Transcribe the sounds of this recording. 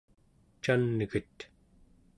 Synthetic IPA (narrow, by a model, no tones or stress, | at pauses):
t͡ʃanːəɣət̪